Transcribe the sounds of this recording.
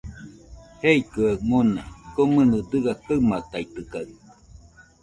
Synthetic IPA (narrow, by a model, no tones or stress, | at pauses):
heikɯaŋonakomɨnɨd̪ɨɡakamat̪ait̪ɯka